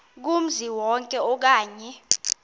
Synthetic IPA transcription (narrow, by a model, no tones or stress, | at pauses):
k̬um̩ziwɔŋkʼɛɔk̬aːɲɛ